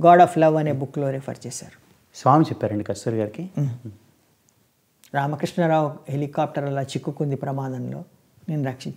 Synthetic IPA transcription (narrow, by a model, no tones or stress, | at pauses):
ɡaːɖaːpʰlɐʋɐneːbukːlo̞ːɾipʰɐ̰ɾt͡ʃeːsa̰ːɾu̥ | sʋaːmit͡ʃɛpːaːɾɐɳɖikɐst̪uɾɡaːɾiki | ɾaːmɐkɾiʂɳɐɾaːwɦe̞likaːp̚ʈɐɾɐlaːt͡ʃikːukund̪ipɾɐmaːd̪ɐnlo̞̰ː | neːnuɾɐkʂiɲt͡ʃ